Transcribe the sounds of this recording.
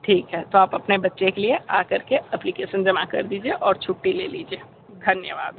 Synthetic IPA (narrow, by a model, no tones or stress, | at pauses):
ʈʰiːkɦɛt̪oaːpɐpnebɐtːʃekelieaːkɐɾkeɛplikeːʃənd͡ʒɐmakɐ̰ɾd̪iːd͡ʒieʔɔːɾt͡ʃʰʊʈːileːliːd͡ʒieː | d̪ʱɐnjəʋa̰ːd̪